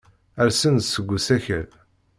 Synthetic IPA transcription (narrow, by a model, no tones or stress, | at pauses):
æɾsənd̪səɡʷːusæçə̰ɾ